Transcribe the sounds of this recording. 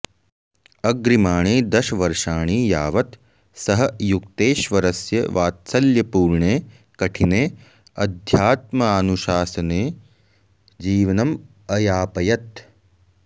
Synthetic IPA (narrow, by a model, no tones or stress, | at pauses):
ɐɡɾimaːɳiːd̪ɐʃɐʋɐɾʂaːɳiːjaːʋɐt̪ | sɐɦɐjukt̪eːʃʋɐɾɐsjɐʋaːt̪sɐljɐpuːɾɳeː | kɐʈʰineː | ɐd̪ʱjaːt̪̚mɐaːnuʃaːsɐneː | d͡ʒiːʋɐnɐm | ɐjaːpɐjɐt̪